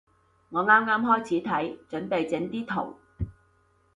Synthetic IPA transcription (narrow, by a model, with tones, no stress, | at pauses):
ŋɔː˨˧ŋaː˥mŋaː˥mɦɔː˥jt͡sʰiː˨˥t̪ʰɐ˨˥jt͡ʃɵ˨˥npe˨jt͡sɪ˨˥ŋt̪iː˥t̪ʰo̰˨˩w